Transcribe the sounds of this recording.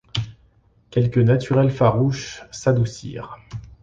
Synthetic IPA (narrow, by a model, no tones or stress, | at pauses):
kʲɛlkʲənat̪ʰyʁɛlfaʁuʃsad̪usḭːʁ